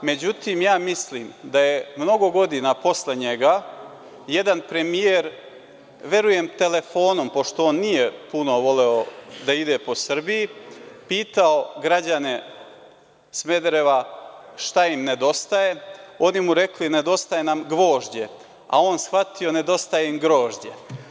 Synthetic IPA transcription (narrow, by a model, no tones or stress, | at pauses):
me̞d͡ʑut̪iːmjaːmisliːmd̪aje̞mno̞ɡo̞ɡo̞d̪inapo̞sle̞ɲe̞ɡa | jed̪anpɾe̞mijeɾ | ʋe̞ɾuje̞mt̪e̞le̞fo̞ːno̞mpo̞ʃt̪o̞oːnːije̞puno̞ʋo̞le̞od̪aid̪e̞po̞sr̩bijipiːt̪ao̞ɡɾad͡ʑane̞ | sme̞d̪ɾe̞ʋaʃt̪aimne̞d̪o̞st̪ajeo̞nimuɾe̞kline̞d̪o̞st̪ajenamɡʋo̞ːʒd͡ʑe̞ | a̰o̞nsxʋat̪io̞ne̞d̪o̞st̪ajeimɡɾo̞ːʒd͡ʑe̞̰